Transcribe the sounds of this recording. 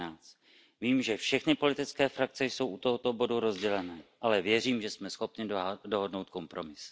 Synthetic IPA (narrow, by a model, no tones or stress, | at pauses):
aːt͡s | viːmʒɛfʃɛxnɪpo̞lɪt̪ɪt͡skɛːfɾak̚t͡sɛjso̞wʔut̪o̞ɦot̪o̞bo̞duɾo̞zɟɛlɛnɛːʔalɛvjɛriːmʒɛsmɛsxo̞pɲɪdo̞ɦo̞dno̞wt̪̚ko̞mpɾo̞mɪs